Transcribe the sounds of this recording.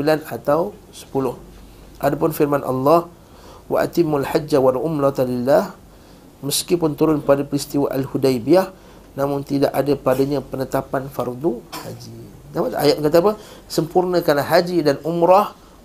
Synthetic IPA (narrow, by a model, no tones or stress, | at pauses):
ilanat̪aw | sə̥pulʊh | ʔadapʊnfirmanʔɑ̰lːɑh | wa̰ʔa̰t̪ɪmːalħad͡ʒawalʔʊmlat̪lilːah | məskipʊnt̪uɾʊnpadapəɾist̪iwaʔalhudajbiah | nãmʊŋt̪idaʔadapadaɲapənət̪apanfard̪uhad͡ʒi | namaa̰jat̪̚kat̪̬apəsəmpurnə̃kanlahɦad͡ʒidanʔumɾah